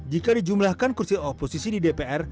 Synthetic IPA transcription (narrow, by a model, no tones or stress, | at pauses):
d͡ʒikadid͡ʒumlahkankursioposisididepeʔɛr